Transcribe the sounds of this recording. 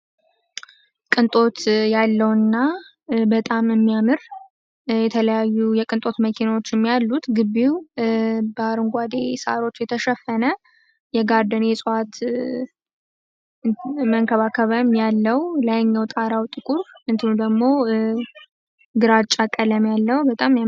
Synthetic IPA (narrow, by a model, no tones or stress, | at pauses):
kʼɨnt̪ʼo̞t̪jalːəwnːa | bət̪ʼamɨmːijamɨɾ | jɛt̪ʰələjajːujɛkʼɨnt̪ʼo̞t̪məkʰinawo̞t͡ʃːɪmːijalːut̪ɡɨbːiw | bəaɾɨŋɡʷad̪e̞sa̰ɾo̞t͡ʃːjɛt̪ʰəʃɛfːənə | jɛɡaɾd̪ənesʼoat̪ | məŋkʰəβakʰəβəmjalːəwlajɲːawt̪ʼaɾawt̪ʼɨkʼuɾɨnt̪ʰɨnud̪əɡmo̞ | ɡɨɾat͡ʃʼːakʼələmjalːəwbət̪ʼamja